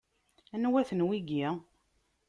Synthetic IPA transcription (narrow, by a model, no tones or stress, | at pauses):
ænwæθənwiɡi